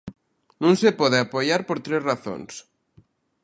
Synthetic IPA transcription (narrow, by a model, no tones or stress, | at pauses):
nũŋsepɔðeapojaɾpoɾt̪ɾezraθo̰ns